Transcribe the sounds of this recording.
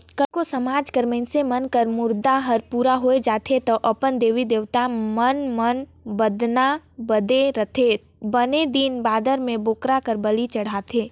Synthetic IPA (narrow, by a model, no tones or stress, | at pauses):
kəlkosɐmaːd͡ʒkəɾmẽnsemənkəɾmʊɾd̪aɦəɾpuːɾaɦoed͡ʒaːt̪ʰet̪ɐʔɐpənd̪eːʋid̪eːʋt̪amənmən | bəd̪nabəd̪eɾət̪ʰe | bəned̪iːnbaːd̪əɾmẽboːkɾakəɾbɐlit͡ʃɐɽ̤aːt̪ʰeː